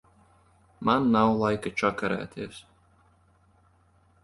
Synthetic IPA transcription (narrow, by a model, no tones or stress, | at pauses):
manːawlˠajkat͡ʃakaɾæ̰ːt̪ʰʲiɛs